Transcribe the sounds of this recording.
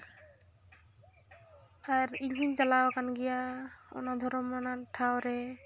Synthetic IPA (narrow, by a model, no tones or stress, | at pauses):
aɾilɦuɲzalawkanɡijaɔ̰nad̪ʱɔɾɔmɔnaʈʰawɾɛ